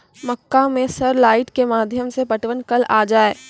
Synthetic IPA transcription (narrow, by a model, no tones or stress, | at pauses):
mɐkːamẽsɐɾlaːɪʈkemaːd̪ʱjəmsepɐʈʋənkɐlaːd͡ʒaːeː